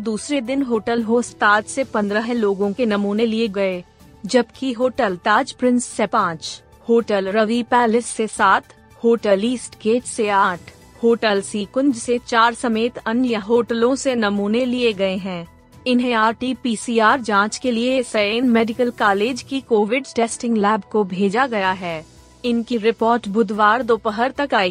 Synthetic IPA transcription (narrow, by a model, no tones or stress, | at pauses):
d̪uːsɾed̪ɪnɦoːʈəlɦoːst̪aːd͡ʒsepɐ̃nd̪ɾəɦloːɡõkenɐmuːnelieɡɐeː | d͡ʒɐbkiɦoːʈəlt̪aːd͡ʒpɾɪ̃nsːepãːt͡ʃ | hoːʈəlɾɐʋipɛːlɪsːesaːt̪ʰ | hoːʈəliːsʈkeːt͡ʃseaːʈʰ | hoːʈəlsiːkʊ̃nd͡ʒset͡ʃaːɾsɐmeːt̪ɐnjəɦoːʈəlõsenɐmuːnelieɡɐeɦɛ̃ː | ɪnɦẽaːɾʈipiːsiːaːɾd͡ʒãːt͡ʃkeliesɐeːnmeːɖɪkəlkaːleːd͡ʒkikoːʋɪɖʈɛːsʈɪ̃ŋɡlɛːbkobʱeːd͡ʒaɡɐjaɦɛː | ɪnkiɾɪpɔːɾʈbʊd̪ʱʋaːɾd̪oːpəɦəɾt̪ɐkaːiː